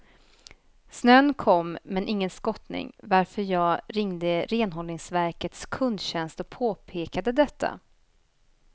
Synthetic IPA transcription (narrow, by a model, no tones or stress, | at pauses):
snøːnkʰɔmːmɛnʔɪŋːənskɔt̪nɪ̰ŋvaɾfœɾjɑːɾɪŋd̪əɾeːnɦɔlnɪŋsvæɾkət̪skʰɵnd̪ɕɛnst̪ɔk̚pʰoːpʰeːkad̪əd̪ɛt̪ʰːa̰